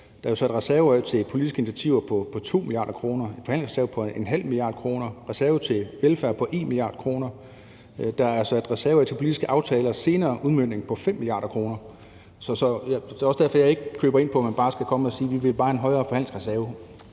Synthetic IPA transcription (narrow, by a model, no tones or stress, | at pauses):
d̥ɑæjo̝sɒ̽e̝d̥ʁɛsæɐʊt͡sʰe̝pʰo̝lid̥isɡ̥əe̝nit͡sʰæt͡sʰiʊ̰ɐpʰɒ̽pʰɒ̽t͡sʰo̝̰ːmiliɑ̰̈ːdɾɐkʰʁo̝ːnɐe̥fɒɦæn̰l̰ŋsʁɛsæɐəpʰɒ̽enɦæl̰milijɑ̈ːd̥̚kʰʁo̝ːnɐʁɛsæɐət͡sʰe̝ʋelfæɐpʰɒ̽ʔe̝nmilijɑ̈ːd̥̚kʰʁo̝ːnɐ | d̥ɑ̈æɐsɒed̥ʁɛsæɐt͡sʰe̝lpʰo̝lid̥isɡ̥əʔɑ̈ʊt͡sʰɛːlɐse̝ːnɐːʔuðˠmøn̰ne̝ŋpʰɒ̽fem̰ːilijɑ̰̈ːd̥ɐkʰʁo̝ːnɐ | sɒ̽sɒ̽jd̥eɒsd̥æɐfɒ̽jɑ̈ɪe̝ɡ̥əkʰøːbɐe̝npʰɒ̽mænb̥ɑ̈ːsɡ̥ækʰɒ̽msiːʋiʋe̝lb̥ɑ̈ːhæenɦɒ̽ɪɐːfɒhænleŋsʁsæɐ